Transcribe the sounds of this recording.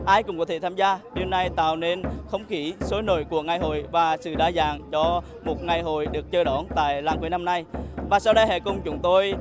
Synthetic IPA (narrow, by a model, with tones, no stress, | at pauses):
ʔaː˧jkʊ˨˧˩ŋ͡mkɔ˨˦t̪ʰe˧˩t̪ʰaː˧mzaː˧ɗi˧əwna˧jt̪a̰ː˧˨wne˧nxə˧wŋ͡mxi˧˦so˨˦jno̰˧˨jku˨˧˩əŋa˧˩jɦo̰˧˨jvaː˨˩sɨ̰˧˨ɗaː˧zaː˨ŋt͡ɕɔ˧ | mo˨˩t̚ŋa˨˩jɦo̰˧˨jɗɨ˨˩ək̚t͡ɕəː˧ɗɔ˧˦nt̪a̰ː˧˨jlaː˨˩ŋki˨˦na˧mna˧jvaː˨˩saː˧wɗə˧jɦɛ̰˧˨kʊ˧˩ŋ͡mt͡ɕʊ˨˦ŋ͡mt̪o˧j